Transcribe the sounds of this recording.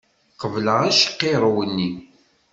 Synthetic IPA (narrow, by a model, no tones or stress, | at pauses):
qəvləʁæʃə̥qːeɾˤwənːi